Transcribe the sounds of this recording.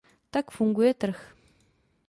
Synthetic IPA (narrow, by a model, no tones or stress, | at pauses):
t̪akfuŋɡweːt̪ɾəx